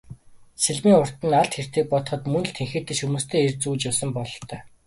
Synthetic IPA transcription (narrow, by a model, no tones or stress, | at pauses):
seɮmiːŋʊr̥t̪ɘ̆naɬt̪xer̥t̪eːk̚pɔt̪ɞ̆χɞ̆t̪mɵnɮt̪ʰeŋxeːt̪eːʃumuːst̪ʰeːert͡suːt͡ɕjasə̆mpɔɮɞ̆t̪ʰœː